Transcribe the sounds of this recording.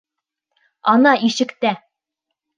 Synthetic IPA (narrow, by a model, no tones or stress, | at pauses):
ɒnɑʔiʃɘ̆kt̪æ